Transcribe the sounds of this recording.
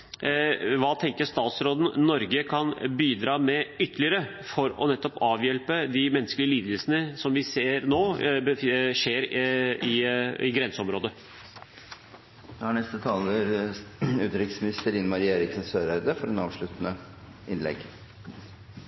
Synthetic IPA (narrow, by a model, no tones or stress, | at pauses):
ʋɑːt̪ʰɛŋkəʂt̪ɑːt̪sɾoːd̪n̩nɔɾɡəkʰɑnbiːd̪ɾɑːmɛʏt̪ːəlɪəɾə | fɔɾɔ̰nɛt̪ːɔpɑːʋjɛlpəd̪ɪmɛnːskəlɪəliːd̪əlsənəsɔmʋɪseːɾnoːbəʂeːɾɪɪɡɾɛnsəɔmɾoːd̪ə | d̪ɛhɑɳɛst̪ət̪ʰɑːləɾ | ʉːt̪ɾɪk̪smɪnɪst̪əɾɪːnəmɑɾieːɾɪksɔnsøːɾæɾd̪əfɔɾɛnɑ̰ːʋʂɭʉt̪ənə | ʔɪnlɛ̰ɡ